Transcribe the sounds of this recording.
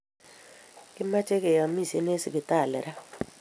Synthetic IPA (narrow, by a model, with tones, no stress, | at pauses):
kɪ˦ma˦t͡ʃe˦ke˨ja˨˦mi˦˨sḛ˦n˦e˦si˨kɪ˨ta˦˨lɛ̰˨ɾa˦